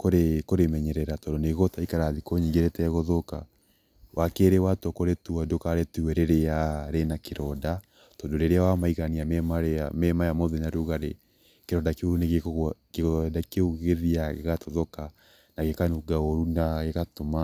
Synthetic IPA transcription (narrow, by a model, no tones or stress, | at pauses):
koɾekoɾemɛɲɛɾɛɾatɔndoneɣɔtaikaɾaðikoɲiŋɡeɾɛtɛɣɔðɔka | wʔakeɾewatɔkoɾetuadokaɾetuwɛɾeɾeaɾenakeɾɔda | tɔndoɾeɾeawamaiɣaniamɛmaɾɛamɛmajamɔðɛnaɾuɣaɾe | keɾɔdakeoɾuneɣekeɣɔdakeuɣeðiaɣeɣatɔðɔka | naɣekanuɡaoɾunaɣekatoma